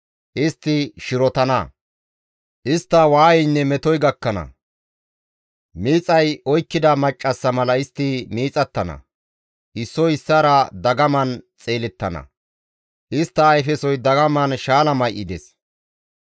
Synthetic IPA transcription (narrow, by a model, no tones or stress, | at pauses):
ʔɪst̪ːɪʃɪɾɔt̪ɐnɐ̰ | ʔɪst̪ːɐwaːjɛjnːɛmɛt̪ɔjɡɐkːɐnɐ̰ | miːt͡sʼɐjɔjkːɪd̪ɐmɐt͡ʃʼːɐsːɐmɐlɐɪst̪ːɪmiːt͡sʼɐt̪ːɐnɐ̰ | ʔɪsːɔɪsːɐɾɐd̪ɐɡɐmɐnt͡sʼe̞ːlɛt̪ːɐnɐ̰ | ʔɪst̪ːɐːjfɛsɔjd̪ɐɡɐmɐnʃaːlɐmɐjʔɪd̪ɛ̰s